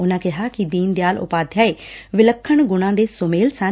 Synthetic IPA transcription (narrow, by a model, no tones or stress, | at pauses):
ʊnãːkɪɦaːkɪd̪iːnd̪eaːlʊ̰paːd̪ʱjaːeːʋɪləkʰːəɳɡʊɽ̃ãːd̪eːsʊmeːlsə